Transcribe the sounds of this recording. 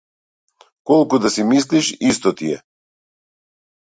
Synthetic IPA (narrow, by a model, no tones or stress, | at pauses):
kɔlˠkud̪asimis̬liʃist̪ɔt̪iɛ